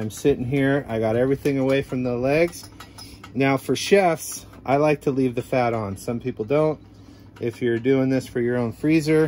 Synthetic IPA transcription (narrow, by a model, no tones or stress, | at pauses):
ɪ̃msɪɾɪ̃ŋɦiɹa̰ɪɡɑɾɛvɹiθɪ̃ŋəweɪfɹʌ̃mðəlɛɡz̥ | naʊfə˞ʃɛfs | ʔaɪlaɪk̚tʰəlivðɨfæɾn̩sʌ̃mpʰipl̩ˠdõʊ̃nt̚ | ʔɪfjə˞dʉɪ̃ŋðɪsfə˞jə˞õʊ̃nfɹizə˞